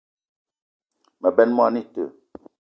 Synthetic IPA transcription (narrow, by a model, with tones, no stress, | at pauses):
mə˨bɛ˦nmɔ˦ni˦tə̰˨